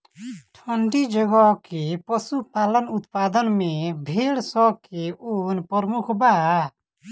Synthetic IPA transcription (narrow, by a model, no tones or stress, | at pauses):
ʈʰɔɳɖid͡ʒɔɡɔkepɔsupalənut̪pad̪ənmẽbʱeɽsɔkeunpɔɾmukʰba